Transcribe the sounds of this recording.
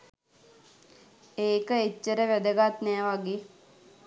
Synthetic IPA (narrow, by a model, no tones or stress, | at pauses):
eːkəet͡ʃːəɾəʋæd̪əɡat̪nɛːʋaɡe